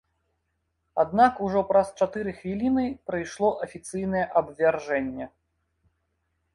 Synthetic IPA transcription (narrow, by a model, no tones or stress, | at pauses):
a̰d̪̚nakuʐɔpɾɐst͡ʂat̪ɨɾɨxvʲilʲinɨpɾɐjʂlˠɔʔɐfʲit̪sɨjnɐjɛʔɐbvʲarʐɛnʲːɛ